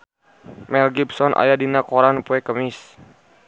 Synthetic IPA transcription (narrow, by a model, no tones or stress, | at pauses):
mɛlɡibsɔnʔa̰jadinakɔɾanpuɛkəmis